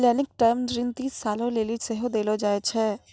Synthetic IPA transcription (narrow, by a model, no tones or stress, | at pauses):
lɛːnɪk̚ʈaːmd͡ʒɾiːnt̪iːsːaːlõleːliseɦod̪eːlod͡ʒaːet͡ʃʰɛː